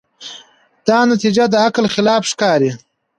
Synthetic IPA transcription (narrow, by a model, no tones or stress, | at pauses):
d̪̥ɑnat̪id͡ʒad̪əaklxɪlɑːfʂkɑːɾi